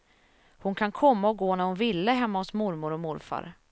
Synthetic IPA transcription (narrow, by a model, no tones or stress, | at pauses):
hʊnkʰankʰɔmːaɔɡoːnæɾhʊnvɪlːəɦɛmːahɔsmʊɾmʊɾɔmʊɾfa̰ɾ